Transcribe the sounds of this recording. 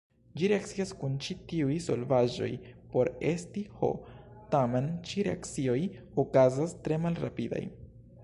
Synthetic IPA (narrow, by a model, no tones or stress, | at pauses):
d͡ʒiɾeak̚t͡siaskunt͡ʃitiujso̞̰lvaʒo̞̰jpo̞ɾe̞stiho̞̰tame̞nt͡ʃiɾḛa̰k̚t͡sio̞j | okazastɾe̞malɾa̰pida̰j